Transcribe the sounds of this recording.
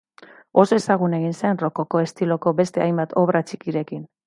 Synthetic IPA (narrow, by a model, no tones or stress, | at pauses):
o̞se̞saɣ̞une̞ɣinseenro̞ko̞ko̞e̞st̪ilo̞ko̞be̞st̪e̞ajmbat̪ʰo̞βɾat͡ʃikiɾe̞kin